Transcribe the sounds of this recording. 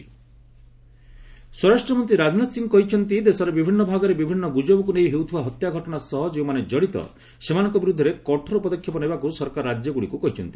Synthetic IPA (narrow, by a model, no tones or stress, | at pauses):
swɔɾasʈɾɔmɔnt̪ɾiɾad͡ʒnat̪siŋɔkɔɦit͡ʃʰɔnt̪id̪esɔɾebibʱinːɔbʱaɡɔɾebibʱinːɔɡud͡ʒɔbɔkunejɦewt̪ʰibaɦɔt̪jaɡʱɔʈɔɽ̃asɔɦɔd͡ʒeumaned͡ʒɔɽit̪ɔ̰ | semanɔŋkɔbiɾud̪ʱːɔɾekɔʈʰɔɾɔpɔd̪ɔkʰjɔpɔnebakusɔɾkaɾːad͡ʒjɔɡuɽikukɔɦit͡ʃʰɔ̰nt̪i̥